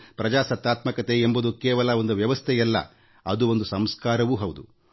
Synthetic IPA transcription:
pɾɐd͡ʒaːsɐt̪ːaːt̪mɐkɐt̪eːmbud̪ukɛːʋɐlɐo̞nd̪uʋjɐʋɐst̪ʰɛjɐlːɐ̰ | ɐd̪uo̞nd̪usɐmskaːɾɐʋuɦɐwd̪u

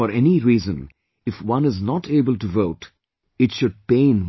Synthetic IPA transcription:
ɔɾɛniɾiːzə̃n | ɪfwʌ̃nɪznɔʈʰeːbəlʈuvoʊʈ | ɪʈʃʊɖ̚pẽɪn

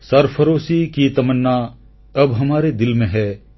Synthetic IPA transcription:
sɐɾpʰəɾoːsikit̪ɐmənːa | ɐbɦɐmaːɾed̪ɪlmẽɦɛː

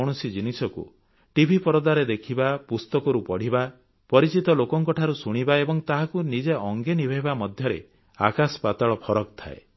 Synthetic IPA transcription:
ɽ̃usid͡ʒinisɔkṵ | ʈibʱipɔɾɔd̪aɾed̪ekʰibapust̪ɔkɔɾupɔɽ̤iba | pɔɾit͡ʃit̪ɔlokɔŋkɔʈʰaɾusuɽ̃ibaebɔŋt̪aɦakunid͡ʒeɔŋɡenibʱeɦibamɔd̪ʱjɔɾḛ | a̰kaspat̪aɭɔpʰɔɾɔkt̪ʰa̰e

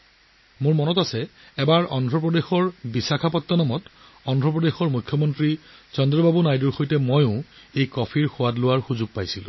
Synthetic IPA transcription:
mʊɹmɔnɔtasɛ | ɛbaɹɔndʱɹɔp̬ɹɔdexɔɹbisakʰapɔtːanɔmɔt | ɔndʱɹɔpɹɔdexɔɹmukʰːjɔmɔntɹit͡ʃɔndɹɔbabunajduɹxojtɛmojʊ̃ | ejkɔpʰiɹxʊwatlʊwaɹxuzuɡ̚pajsilʊ̰̃

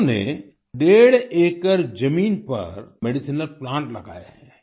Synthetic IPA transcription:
nḛ | ɖeːɽeːkəɾd͡ʒɐmiːnpɐ̰ɾmeːɖisinəlplãːɳʈlɐɡa̰ːjaɦɛ̃ː

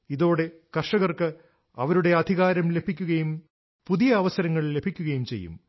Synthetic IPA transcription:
iðo̞ːɽe̞kɐrʂɐɣɐrkɨ | ɐʋɐɾuɽe̞ɐd̪ʱiɣaːɾɐmle̞bʱikʲːuɣɐjum | puðijɐːʋɐsɐɾɐŋːɐɭle̞bʱikʲːuɣɐjumt͡ɕejːṵm

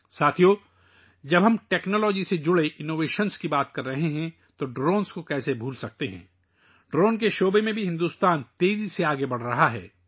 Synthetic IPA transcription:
saːt̪ʰijoː | d͡ʒɐbʱɦɐmʈɛːknɔːlɔːd͡ʒised͡ʒʊɽeʔɪnoːʋeːʃənskibaːt̪kɐɾːɐɦeɦɛ̃ | t̪oɖɾoːnskokɛːsebʱuːlsɐk̚t̪eɦɛ̰̃ː | ɖɾoːnkeʃoːbemẽbʱiɦɪ̃nd̪uːst̪aːnt̪eːziseaːɡebɐɽ̤ɾɐɦaɦɛ̰ː

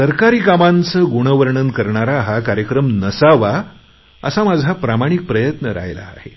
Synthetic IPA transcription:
səɾkaɾiːkamãnt͡səɡuɽ̃əʋəɾɳənkəɾɳaɾaɦakaɾjəkɾəmnəsaʋa | ə̰samad͡zʱapɾamaɽ̃ik̚pɾəjət̪nəɾa̰jla̰ːhḛ

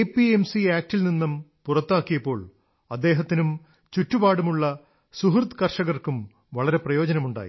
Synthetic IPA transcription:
epiemsiaːk̚tilninːɐmpurɐt̪ːaːkːijɐpːo̞ːɭ | ɐd̪ːe̞ːɦɐt̪ːinum | t͡ɕutːubaːɽumuɭːɐ | suɦrt̪kɐrʂɐɣɐrkum | ʋɐɭɐɾeprɐjo̞ːd͡ʑɐnɐmuɳɖa̰ːjḭ

